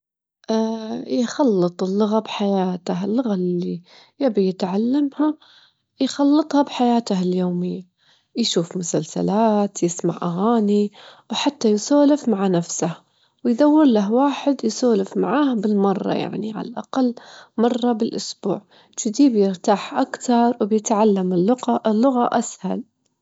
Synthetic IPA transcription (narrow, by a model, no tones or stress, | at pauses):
ʔaːjxɑlːɨt̪ˤɪlːʊɣabħajaːt̪aɦɪlːʊɣali | jabijɪt̪ʕalːamha | jxɑlːɨt̪ˤhɑbħajaːt̪ahɪljoːmɪjːa | jʃuːfmʊsalsa̰laːt̪jɪsma̰ʕʔaɣaːniwħat̪ːajsoːlɪfmaʕanafsah | wɪjd̪awːɪɾlaɦwaːħɪd̪jsoːlɪfmaʕaːhbɪlmɑrˤːɑ̰ja̰ʕnḭʕa̰la̰lʔaqalːmɑrˤːɑbɪlʔʊsbṵːʕ | d͡ʒɪd̪iːbjɪɾt̪aːħʔakt̪ɑɾˤwɪbjɪt̪ʕalːamɪʊʔɪlːʊɣaʔasha̰l